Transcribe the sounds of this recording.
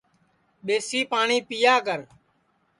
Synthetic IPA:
ɓeːsiːpaːɳiːpijaːkəɾ

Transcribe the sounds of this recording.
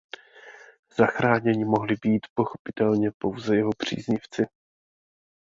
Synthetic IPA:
z̥axɾaːɲɛɲɪmo̞ɦlɪbiːt̪po̞xopɪ̥t̪ɛlɲɛpo̞wzɛjɛɦo̞pr̝̥ḭːzɲɪft͡sɪ

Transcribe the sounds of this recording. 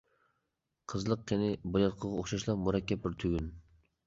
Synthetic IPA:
qʰəzlˠəq̚jenɪbolɑt̪qʰəʁɑoχʃɑʃlˠɑpmuɾɛkʲːɛp̚bɪɾt̪ʰyɡʲyn

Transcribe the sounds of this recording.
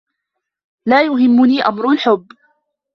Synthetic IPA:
laːjʊɦɪmːʊniːʔa̰mɾʊlħʊbː

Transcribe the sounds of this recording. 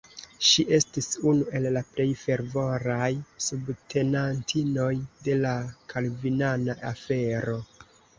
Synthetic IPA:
ʃiʔe̞stisunue̞lːaple̞jfe̞ɾvo̞ɾajsubtʰe̞nantʰino̞jde̞lakʰalvinanaʔafe̞ɾo̞

